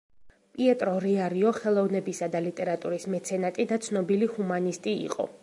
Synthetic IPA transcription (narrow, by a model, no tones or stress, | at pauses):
pʼiɛt̪ʼɾɔɾiaɾiɔχɛlˠɔvnɛbisad̪alit̪ʼɛɾat̪ʼuɾismɛt̪sʰɛnat̪ʼid̪at̪sʰnɔbilihumanist̪ʼiḭqʼɔ̰